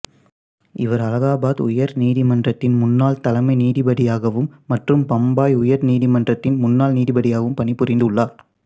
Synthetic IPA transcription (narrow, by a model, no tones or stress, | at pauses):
ɪʋɐɾɐlɐɣaːbaːðʊ̰jɐɾniːðɪmɐndrɐt̪ːɪnmʊnːaːlt̪ɐlɐmɐɪniːðɪbɐɽɪjaːɣɐʋɯmːɐʈrɯmpɐmbaːjʊjɐɾniːðɪmɐndrɐt̪ːɪnmʊnːaːlniːðɪbɐɽɪjaːɣɐʋɯmpɐɳipːʊɾɪnd̪ɯɭːaːɾ